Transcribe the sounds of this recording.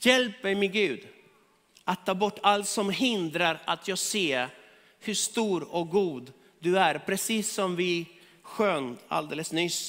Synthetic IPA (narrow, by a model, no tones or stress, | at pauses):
jɛlp̚d̪ɛjmɛɡʉ̟ːd̪ | ʔat̪ʰːɑːbɔʈːalt̪sɔmɦɪnd̪ɾaɾat̪ʰjɑːɡseː | hɵʂt̪uːɾɔk̚ɡuːd̪ | d̪ɵæɾpʰɾɛsiːsːɔmvɪ | ɧøːna̰ld̪eːləsnʏs